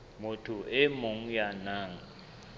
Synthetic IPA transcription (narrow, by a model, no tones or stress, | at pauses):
motʰuɛmoŋ̩janaːŋa